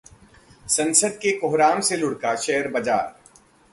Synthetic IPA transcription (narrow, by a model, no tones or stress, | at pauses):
sɐ̃nsəd̪̚kekʊɦɾaːmselʊɽkaʃɛːəɾbɐd͡ʒa̰ːɾ